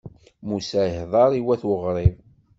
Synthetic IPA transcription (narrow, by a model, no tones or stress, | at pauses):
musæjəhðˤɑɾˤiwæθwəʁɾˤiv